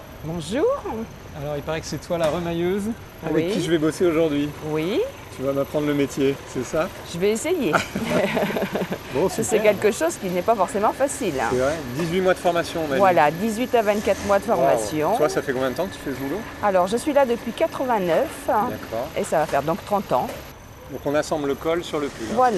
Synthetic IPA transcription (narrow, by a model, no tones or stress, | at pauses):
bɔ̃ʒuːʁ | alɔʁilpaʁɛkə̥sɛt̪walaʁəmajøz | avɛikʲːiʒəvɛboseoʒuʁd̪ɥiwi | t̪yvaməpχɑ̃d̪ʁləmet̪jesɛsa | ʒ̥əvɛeseje | bɔ̃ssɛkʲɛlkəʃozkʲinɛpafɔʁsemɑ̃fasilɛvʁɛd̪izɥimwad̪əfɔʁmasjɔ̃mɛvwalad̪izɥit̪avɛ̃nt̪̚kat̪χmwad̪əfɔʁmasjɔ̃t̪wasafɛkɔ̃bjɛ̃d̪ət̪ɑ̃kət̪y̥fɛsbulo | alɔʁʒəsɥilad̪əpɥikat̪χəvɛ̃nœfd̪akʰɔʁesavafɛʁd̪ɔ̃k̚t̪χɑ̃t̪ɑ̃ | d̪ɔ̃kɔ̃nasɑ̃blləkɔlsyʁləpøvvwal